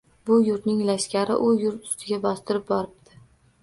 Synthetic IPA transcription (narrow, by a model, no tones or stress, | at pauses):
bʊjʊɾt̪nɪŋlaʃkʲaɾɪ̰ʔʊjʊɾt̪ʊ̥st̪ʰɪɡʲabɒst̪ɪɾɪp̚bɒɾɪb̚d̪̥ɪ